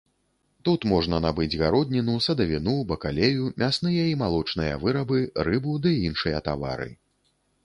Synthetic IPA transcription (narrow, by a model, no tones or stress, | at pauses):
t̪ut̪mɔʐnɐnabɨd͡zʲɣaɾɔd̪̚ʲnʲinusɐd̪ɐvʲinubɐkalʲejumʲasnɨjɐimalˠɔt͡ʂnɨjɐ̰vɨɾɐbɨɾɨbud̪ɨinʂɨjɐt̪a̰va̰ɾɨ̰